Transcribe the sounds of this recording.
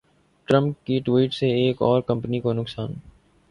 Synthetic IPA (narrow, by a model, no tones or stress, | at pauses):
ʈɾə̃mp̚kiʈwiːʈseeːkɔːɾkɐ̃mpnikonʊksaːn